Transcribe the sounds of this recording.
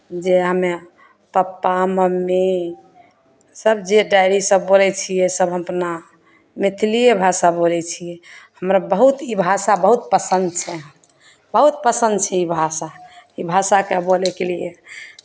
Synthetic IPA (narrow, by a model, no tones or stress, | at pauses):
d͡ʒeɦəme | pəpːaməmːe | səbd͡ʒeɖajɾisəbːolɛt͡ʃʰijɛsəbɦəpna | mit̪ʰlijebʱasabolɛt͡ʃʰijɛhəmɾabəɦut̪ibʱasabəɦut̪̚pəsənd̪t͡ʃʰɛɦ | bəɦut̪̚pəsə̃nd̪̚t͡ʃʰɛibʱasaibʱasakebolɛkelijḛ